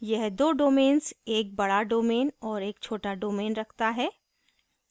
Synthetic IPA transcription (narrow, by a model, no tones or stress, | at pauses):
jɛɦd̪oːɖoːmẽːnseːk̚bɐɽaɖoːmeːnɔːɾeːkt͡ʃʰoːʈaɖoːmeːnɾɐkʰt̪aɦɛː